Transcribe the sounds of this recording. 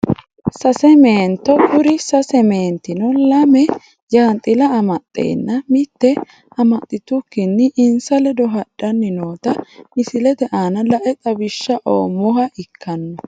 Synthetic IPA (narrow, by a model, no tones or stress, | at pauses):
sɐsɛme̞ːnt̪ːɔʔʊɾɪsɐsɛmeːnt̪ːɪnɔlɐmɛ | d͡ʒaːnt̪ʼɪlɐːmɐt̪ʼːḛːnːɐmɪt̪ːɛ | ʔɐmɐt̪ʼːɪt̪ʊkːɪnːɪʔɪnsɐlɛd̪ɔɦɐɗ̥ːɐnːɪnoːt̪ɐmɪsɪlɛd̪ɛʔaːnɐlɐʔɛt̪ʼɐbɪʃːɐʔo̰ːmːɔɦɐʔɪkʰːɐnːɔ